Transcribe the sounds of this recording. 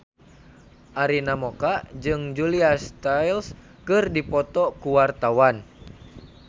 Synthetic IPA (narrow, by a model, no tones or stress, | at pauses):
ʔaɾinamɔkaʔd͡ʒɨŋd͡ʒuliast̪ajls | kɨrdipɔt̪ɔkuwart̪awan